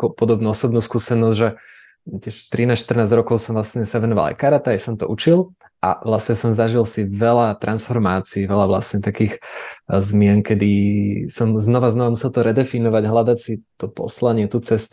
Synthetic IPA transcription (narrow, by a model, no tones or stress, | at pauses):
akɔpɔd̪ɔbnuːɔsɔbnuːskuːsɛnɔzʒɛ | tɪɛʃt̪ɾinaːsʃt̪r̩naːzd͡ʑɾɔkɔʊsɔmvlasɲɛsaʋɛnɔʋa̰la̰jkaɾat̪ajsɔmt̪ɔʔut͡ʃil | ʔa̰ʋlasɲɛsɔmzaʒilsiʋɛlat̪ɾʔansfɔɾmaːt͡siːʋɛlaʋla̰sɲɛt̪akiːxzmɪɛŋkɛd̪isɔmznɔʋaznɔʋamusɛlt̪ɔɾɛd̪ɛfinɔʋaɟɦlad̪acsit̪ɔpɔ̰slaɲɪɛt̪ut͡sɛst̪